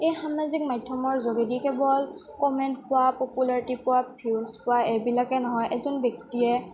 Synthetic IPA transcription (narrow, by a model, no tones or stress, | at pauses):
ejxamazik̚majdʰʱjɔmɔɹzoɡedikɛbɔl | kɔmɛntpʊwapɔpulaɹitipʊwapʰispʊwaɛbilakɛnɔɦɔjʔɛzɔnbjɔk̚tiɛ